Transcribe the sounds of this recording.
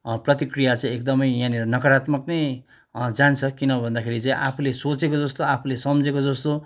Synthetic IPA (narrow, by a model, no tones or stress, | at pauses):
prʌt̪ikrijat͡saĩek̚d̪ʌmʌjjãniɾʌnʌkʌɾat̪mʌknʌj | d͡zant͡sʰʌkinʌbʱʌnd̪akʰeɾit͡sãĩʔapʰulesot͡sekod͡zʌst̪oapʰulesʌmd͡zekod͡zʌst̪o